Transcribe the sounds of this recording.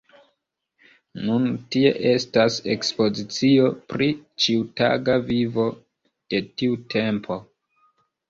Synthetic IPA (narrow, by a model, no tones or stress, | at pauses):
nuntie̞̰ʔe̞stase̞̰kspo̞zit͡sio̞pɾit͡ʃiuta̰ɡavivo̞ | d̥e̞tiutʰe̞mpʰo̞